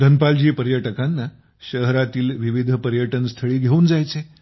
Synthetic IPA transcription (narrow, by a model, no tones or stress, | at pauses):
d̪ʱənpald͡ʑiːpəɾjəʈəkanːa | ɕəɦɾat̪iːlʋiʋid̪ʱpəɾjəʈənst̪ʰəɭiːɡʱeuːnd͡zajt͡se